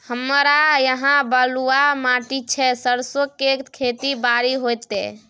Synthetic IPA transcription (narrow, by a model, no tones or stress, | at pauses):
həmɾajəɦãbəluamaʈit͡ʃʰɛsəɾsokːekʰet̪ibaɾiɦojt̪ɛ̰